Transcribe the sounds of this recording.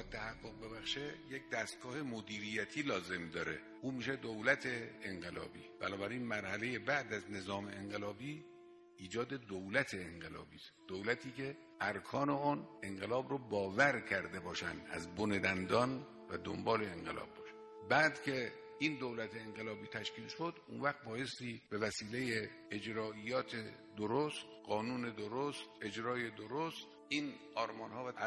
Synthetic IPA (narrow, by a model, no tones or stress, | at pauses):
t̪ʰːæhæɡːoɣ̚be̞bæxʃejek̚d̪æst̪̚ɡɒːhe̞mod̪iːɾijæt̪ʰiːlɒːze̞md̪ɒːɾḛ | ʔuːmiːʃed̪owlæt̪ʰe̞ːeŋɢe̞lɒ̰ːbḭːb̥ænɒːbæɾiːnmæɾhæle̞je̞bæʔd̪æzne̞zɒːmeeŋɢelɒːbiː | iːd͡ʒɒːd̪e̞d̪owlæt̪ʰeːŋɢe̞lɒ̰ːbiːst̪d̪̥owlæt̪ʰiːkʰe̞ | æɾkʰɒːneone̞ŋɢelɒːbɾobɒːvæɾkʰæɾd̪e̞bɒːʃæ̰nd̪ʔæ̰zboned̪ænd̪ɒːn | væd̪o̰mbɒːleeŋɢelʔɒ̰ːb̚ːɒːʃæ̥n | bæːd̪kʲʰe̞ | ind̪owlæt̪ʰeːŋɢelɒːbiːt̪ʰæʃkiːlʃo̞d̪unvæxt̪̚bɒːje̞st̪iːbe̞væsiːle̞je | ed͡ʒɾɒːʔijɒːt̪ʰe | d̪oɾost̪ɢɒːnuːne̞d̪oɾost̪e̞d͡ʒɾɒːje̞d̪oɾost̪ʔiːnɒːɾmɒːnhɒːvæ